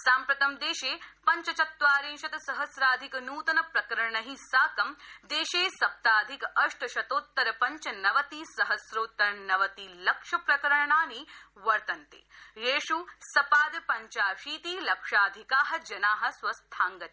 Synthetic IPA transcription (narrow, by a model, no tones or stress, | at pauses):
saːmpɾɐt̪ɐmd̪eːʃeːpɐɲt͡ʃɐt͡ʃɐt̪ʋaːɾẽːnʃɐt̪ɐsɐɦɐsɾaːd̪ʱikɐnuːt̪ɐnɐpɾɐkɐɾɐɳɐɦĩsaːkɐmd̪eːʃeːsɐp̚t̪aːd̪ʱikɐʂʈɐʃɐt̪oːt̪ːɐɾɐpɐɲt͡ʃɐnɐʋɐt̪iːsɐɦɐsɾoːt̪ːɐɾnɐʋɐt̪ilɐkʂɐpɾɐkɐɾɐɳaːniʋɐɾt̪ɐnt̪ḛːjeːʂusɐpaːd̪pɐɲt͡ʃaːʃiːt̪iːlɐkʂaːd̪ʱikaːɦɐ̆d͡ʒɐnaːɦɐ̆swɐst̪ʰaːŋɡɐt̪i